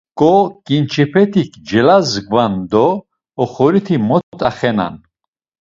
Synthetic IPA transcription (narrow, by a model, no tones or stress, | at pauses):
kʼɔkʼint͡ʃʰɛpʰɛt̪ʰikʰd͡ʒɛlazɡvand̪ɔː | χɔɾit̪ʰimɔt̪ʰt̪ʰʼaχɛna̰n